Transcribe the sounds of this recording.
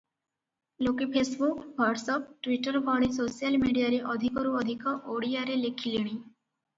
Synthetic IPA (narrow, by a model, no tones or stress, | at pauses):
lokepʰesbukbɔɖsɔp̚ʈʋiʈəɾbʱɔɽisosijəlmiɽijaɾeʔɔd̪ʱikɔɾuɔd̪ʱikɔʔoɽijaɾelekʰiliɽ̃i